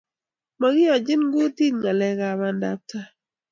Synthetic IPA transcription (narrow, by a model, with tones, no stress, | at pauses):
ma˨ɡɪ˦ɔ˨d͡ʒɪ˦nɡu˦ti˦ŋŋa˨lɛ˨ɡa˨ma˨nda̰˨p̚ta˦